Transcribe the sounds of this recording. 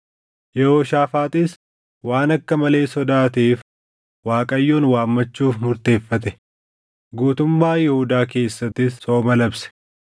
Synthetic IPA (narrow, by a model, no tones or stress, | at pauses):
jɛhoːʃaːfaːt̪ʼɪs | waːnɐkːɐmɐle̞ːsɔd̪aːt̪iːf | waːkʼɐjːoːnwaːmːɐt͡ʃːuːfmʊɾt̪e̞ːfːɐt̪ɛ | ɡuːt̪ʊmːaːjɛhʊd̪aːke̞ːsːɐt̪ːɪsːoːmɐlɐbsɛ̥